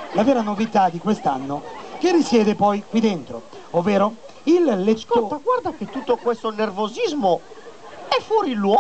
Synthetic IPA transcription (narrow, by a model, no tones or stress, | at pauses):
lavɛːɾanovit̪ad̪ikwest̪anːok̟erːisjɛːd̪epɔjkwid̪ent̪ɾo̰ | ovːeːɾo | ilːet̪ːɔot̪ːaɡwaɾd̪aket̪ːut̪ːokwest̪onervozizmo | ɛfːɔːɾilwɔ